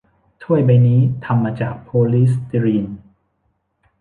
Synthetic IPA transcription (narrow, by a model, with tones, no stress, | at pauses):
t̪ʰu˥˩əjba˧jniː˦˥t̪ʰa˧mːaː˧t͡ɕaː˨˩k̚pʰoː˧li˦˥st̪i˧ɾiː˧n